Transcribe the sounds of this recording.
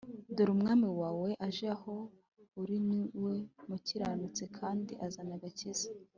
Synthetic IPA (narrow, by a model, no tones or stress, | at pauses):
doɾumŋaːmiwaːwe̞ʔaʒiaho̞ | uɾiniwemuciɾanut͡se̞kʰaːndiʔazanaɡaciza